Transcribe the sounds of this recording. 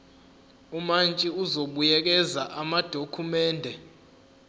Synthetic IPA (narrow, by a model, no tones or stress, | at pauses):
umant͡ʃʼiuzoɓujɛk̬ʼɛzaʔamad̥ʱokʰumɛːndʱɛ